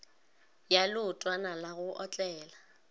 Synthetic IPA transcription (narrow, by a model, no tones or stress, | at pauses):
jalʊtʼwanalaɣʊʔɔt͡ɬʼɛːla